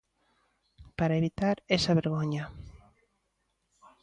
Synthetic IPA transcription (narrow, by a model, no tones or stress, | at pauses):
paɾaeβit̪aɾesaβeɾɣoɲɐ